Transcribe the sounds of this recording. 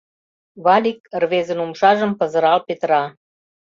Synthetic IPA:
βɑlʲikrβezə̆numʃɑʒəmpə̆zə̆ɾɑlpet̪rɑ

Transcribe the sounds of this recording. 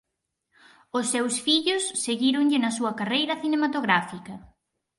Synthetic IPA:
ʊsːewsfiʎʊsːeɣiɾʊŋʎɪnɐsuɐkarejɾɐθinemat̪oɣɾafikɐ

